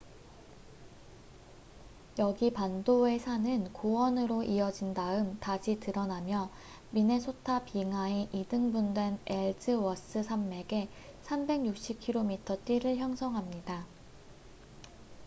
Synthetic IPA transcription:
jʌɡipandoe̞sʰanɯnkowʌnɯɾoʔiʌd͡ʑindaɯmtaɕʰitɯɾʌnamjʌ | mine̞sʰotʰapiŋae̞ʔidɯŋbundwe̞neɭtʰɯwʌs͈ɯsʰamːe̞ɡe̞ | sʰambe̞ŋjuk̚ɕ͈ip̚kʰiɾomitʰʌt͈iɾɯɭçjʌŋsʰʌŋɦamɲida

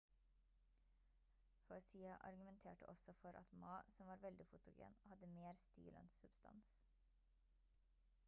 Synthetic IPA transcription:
hɔsiːɑʔɑ̰ɾɡʉmɛnt̪ʰeːʈəʔɔsɔfɔɾʔɑ̰t̪mɑːsɔmʋɑːɾʋɛld̪ɪfʊt̪ʊɡḛːnhɑd̪əmeːɾst̪ḭːlɛ̰nsʉbst̪ʰɑ̰ns

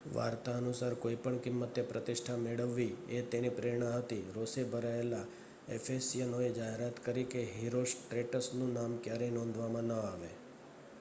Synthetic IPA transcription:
ʋa̰ɾt̪aənusaɾkoipəɳkɪmːət̪epɾət̪ɪʃʈʰameɭəʋːiet̪enipɾeɾɳ̃aɦət̪iɾosebʱəɾaela | efʰesijənoed͡ʒaɦeɾat̪kəɾikeɦiɾosʈɾeʈəsnũnamkjaɾenɔ̃nd̪ʱʋamãnəaʋe

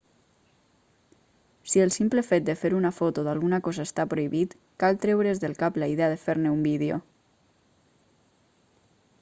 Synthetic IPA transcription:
sielˠsimplefet̪̚d̪efeɾunafot̪oðalˠɣunakɔzaest̪apɾoiβit̪ | kalˠt̪ɾɛwɾezðelˠkaplaiðeaðefeɾneumbiðeo̰

